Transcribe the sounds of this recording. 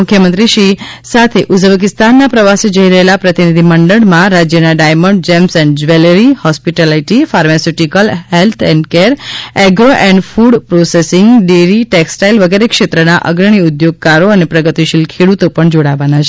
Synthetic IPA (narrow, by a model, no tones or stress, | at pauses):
mukʰjəmənt̪ɾiʃi | sat̪ʰeʔud͡ʒəbək̬ɪst̪anːapɾəʋased͡ʒəɦiɾəɦelapɾət̪inid̪ʱiməɳɖəɽmãɾad͡ʒjənaɖajməɳɖ̚d͡ʒɛmsɛ̃ɳɖd͡ʒʋeləɾihɔspiʈelaiʈifaɾmasuʈikəlɦelt̪ʰɛɳɖkeɾɛɡɾoʔɛ̃ɳɖfuɖpɾosesɪŋɡɖeɾiʈeksʈailʋəɡeɾekʃet̪ɾənaʔə̰ɡɾəɽ̃iud̪joɡ̚kaɾoənepɾəɡət̪iʃilkʰeɽut̪opəɳd͡ʒoɽaʋanat͡ʃʰe